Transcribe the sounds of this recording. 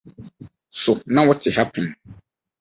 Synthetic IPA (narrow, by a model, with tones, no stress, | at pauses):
sʊ˨nã˦wɔ˦tʰɪ˨ha˦pʰɛ̃˨n